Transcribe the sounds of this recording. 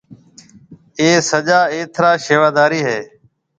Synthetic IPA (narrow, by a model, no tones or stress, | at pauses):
eːsəʄaːeːt̪ʰɾaːʃeːʋaːd̪aːɾiːɦeː